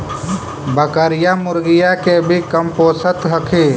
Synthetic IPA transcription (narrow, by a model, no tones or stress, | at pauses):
bəkəɾɪjamʊɾɡɪjakebʱikəmpoːsət̪ɦəkʰeː